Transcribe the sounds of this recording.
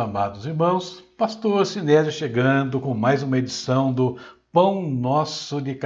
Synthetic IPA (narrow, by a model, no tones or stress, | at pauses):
amad̪ʊziɾmɐ̃w̃spast̪oɾsinɛd͡ʒɪʃeɡɐ̃d̪ʊkõmajzũmɐed͡ʒisɐ̃w̃d̪ʊpɐ̃w̃nɔsʊdɪk